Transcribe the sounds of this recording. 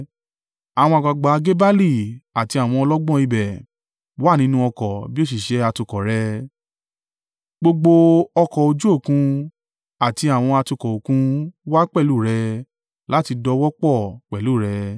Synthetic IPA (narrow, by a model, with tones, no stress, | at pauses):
a˨w̃ɔ̃˧a˨ɡ͡ba˧ɡ͡ba˨˧ɡe˦ba˦li˦˨a˨ti˧a˨w̃ɔ̃˧ɔ˧lɔ˦ɡ͡bɔ̃˦˨i˧bɛ˨ | wa˦nĩ˧˦nũ˦ɔ˧kɔ˨bi˦o˦s̬i˨ʃɛ˨˧˦a˧tu˧kɔ˨ɾɛ˧ | ɡ͡bo˧ɡ͡bo˧ɔ˧kɔ˨o˧d͡ʒu˦o˦˨kũ˧ | a˨ti˧a˨w̃ɔ̃˧a˧tu˧kɔ˨o˨kũ˧wa˦k͡pɛ˦˨lu˦˨ɾɛ˧ | la˨˦ti˧dɔ˧wɔ˦k͡pɔ˦˨k͡pɛ˨lu˦˨ɾɛ˧